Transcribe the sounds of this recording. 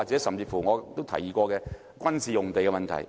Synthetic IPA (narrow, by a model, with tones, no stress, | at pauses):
aː˨k̚t͡sɛ˨˥sɐ˨mt͡siː˧fuː˨˩ŋɔː˨˧t̪o˥wt̪ʰɐ̰˨˩jiː˨˧kɔː˧kɛː˧ | kʷɐ˥nsiː˨jʊ˨˩ŋt̪e˨jkɛ˧mɐ˨nt̪ʰɐ̰˨˩j